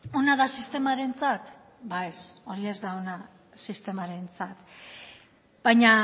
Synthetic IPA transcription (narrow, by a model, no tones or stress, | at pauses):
o̞naðasist̪e̞maɾe̞nt͡sat̪ | baeso̞ɾie̞zd̪aona | sist̪e̞maɾe̞nt͡sat̪ | b̥aɲa